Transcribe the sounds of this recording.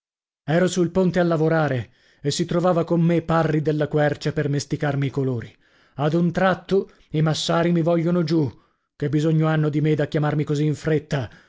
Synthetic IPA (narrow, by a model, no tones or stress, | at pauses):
ɛːɾosulpont̪ealːavoɾaːɾe | esːit̪ɾovaːvakomːepːarːid̪elːakwɛrt͡ʃapermest̪ikarmiːkoloːɾi | ad̪unt̪ɾat̪ːo | imasːaːɾimivɔʎːonod͡ʒu | kebːizoɲːoanːod̪imed̪akjamarmikoziːɱfɾet̪ːa